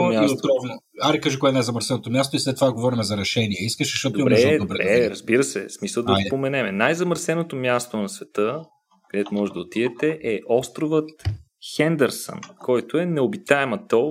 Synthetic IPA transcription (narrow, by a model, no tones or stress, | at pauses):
mʲaok̪ɾɔvno | aɾikaʒikoɛnajzɐməɾsɛnot̪omʲjast̪oislɛt̪ːovaɡovɔɾimɛzɐɾɛʃɛniɛiskəʃɛʃt̪ɔt̪d̪oimbɾɛd̪oɾɾɛɾəzbiɾəsɛ̰smisəlˠd̪ɐpomɛnɛmɛnajzɐməɾsɛnot̪omʲjast̪onɐsvɛt̪ɤ | kɐd̪ɛt̪omɔʒɛd̪ɐot̪ivɛt̪ɛʔɛʔɔst̪ɾovət̪ | xɛnd̪ɛɾsə̰nkʰɔjt̪oɛnɛobit̪aɛmət̪o